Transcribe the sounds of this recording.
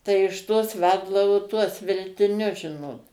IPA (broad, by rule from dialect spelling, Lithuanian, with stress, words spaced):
tɐɪ ɪʃ ˈtoːs ˈʋʲɛlˠdɐʋoː tuɔs ʋʲɛlʲtʲɪˈnʲʊs ˈʒʲɪnoːt